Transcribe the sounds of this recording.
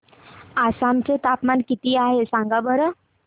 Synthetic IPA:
asamt͡set̪apmankit̪iaɦesãŋɡabəɾə

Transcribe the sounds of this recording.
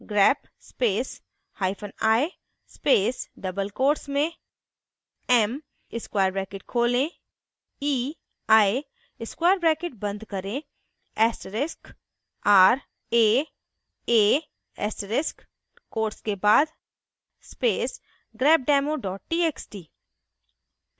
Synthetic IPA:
ɡɾɛːp | speːs | haːɪpʰənaːe | speːsɖɐbəlkoːɾsmẽ | ɛm | ɪskwaːɾbɾɛːkeʈkʰoːlẽ | iː | aːe | ɪskwaːjəɾbɾɛːkeʈ̚bɐ̃nd̪kɐɾẽ | ɛːsʈəɾɪsk | aːɾ | eː | eː | ɛ̰ːsʈəɾɪsk | koːɾʈskebaːd̪ | speːs | ɡɾɛːb̚ɖɛːmoɖɔːʈ̚ʈiːeksʈiː

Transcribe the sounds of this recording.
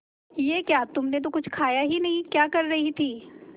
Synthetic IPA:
jeːkjaːt̪ʊmnet̪̬okʊt͡ʃʰkʰaːjaɦinɐɦĩkjaːkɐɾːɐɦit̪ʰiː

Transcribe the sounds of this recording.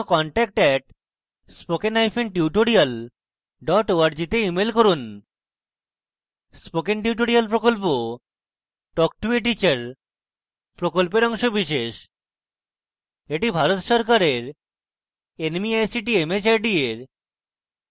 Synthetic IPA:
kɔɳʈɛk̚ʈɛʈ̚ | spokenajfʰenʈiuʈoɾial | ɖɔʈoaɾd͡ʑit̪eimelkoɾun | spokenʈiuʈ̬oɾialp̬ɾokolpo | ʈɔk̚ʈueʈ̬it͡ɕaɾ | pɾokolpeɾɔŋʃobiʃeʃ | eʈibʱaɾot̪ʃɔɾkaɾeɾ | enmiajsiʈiemet͡ɕajɖieɾ

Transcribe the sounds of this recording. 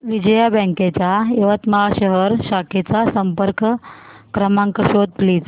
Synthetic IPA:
ʋid͡ʑəjabɛ̃ŋket͡ɕjaeʋət̪məɦaɕəɦəɾɕakʰet͡sasəmpəɾkkɾəmaŋkəɕod̪̚pliːd͡z

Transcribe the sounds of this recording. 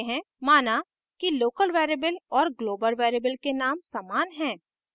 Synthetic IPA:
ɦɛ̃ | maːna | kiloːkəlʋeːɾeːbəlɔːɾɡloːbəlʋeːɾeːbəlkenaːmsaːmaːnɦɛ̃ː

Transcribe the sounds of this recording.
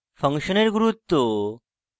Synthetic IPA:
fəŋkɕəneɾɡuɾut̪ːo

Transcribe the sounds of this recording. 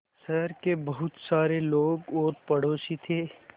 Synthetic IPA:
sɐɾkebɐɦʊt̪saːɾeloːɡɔːɾpɐɽoːsit̪ʰeː

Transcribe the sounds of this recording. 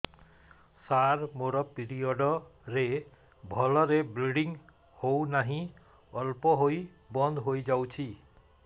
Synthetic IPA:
saɾmoɾɔpiɾiɔɖɔɾe | bʱɔlɔɾebleɽiŋ | hownaɦĩ | ɔlpɔɦoj | bɔnd̪ʱɦojd͡ʒawt͡ʃʰi

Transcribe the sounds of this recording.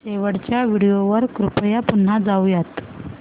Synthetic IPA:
seʋəɽt͡ɕjaʋiɽijoʋəɾkɾupɽjapun̤ːad͡zaujat̪

